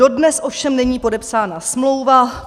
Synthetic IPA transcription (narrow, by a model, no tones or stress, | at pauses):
o̞dnɛsʔofʃɛmnɛɲiːpo̞dɛpsaːnasmlo̞wva